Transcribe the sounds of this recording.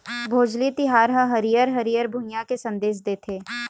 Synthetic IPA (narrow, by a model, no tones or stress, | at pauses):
bʱoːd͡ʒlit̪ɪɦaːɾɦə̃ɦɐɾijəɾɦɐɾijəɾbʱʊnjakesɐ̃nd̪eːʃ̬d̪eːt̪ʰeː